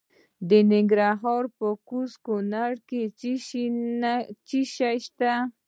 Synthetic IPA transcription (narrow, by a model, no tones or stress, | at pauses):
d̪ɪnɪŋɡɾaɦoɾpəkʊskʊnaɾke | t͡ʃɪʃaʃt̪a